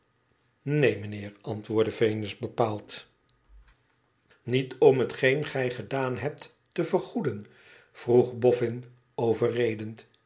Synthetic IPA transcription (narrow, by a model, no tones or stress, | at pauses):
nejmənɪːɹɑntʋʊːɹdəvejnɪzbəpaːlˠt | nitɔmɦətχejnχɛjχədaːnɦɛp̚tː | əvəɹχudən | v̥ruχbɔfɪn | owvərejdənt